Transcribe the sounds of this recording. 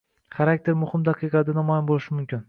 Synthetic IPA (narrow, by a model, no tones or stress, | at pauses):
χaɾak̚ʲt̪ʰe̞ɾmʊhɪmd̪aqʰɨjqɑd̪anamɒjanbolˠɪʃɪmʊmkʲɪn